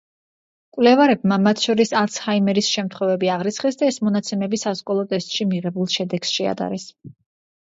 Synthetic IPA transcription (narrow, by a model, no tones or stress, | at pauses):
kʼwlɛvaɾɛb̚mamat̪ʰʃɔɾisaɾt̪sʰhaimɛɾisʃɛmt̪ʰχwɛvɛbiaʁɾit̪sʰχɛsd̪aɛsmɔnat̪sʰɛmɛbisaskʼɔlˠɔt̪ʼɛst̪ʼʃimiʁɛbulˠʃɛd̪ɛɡ̥sʃɛa̰d̪a̰ɾɛs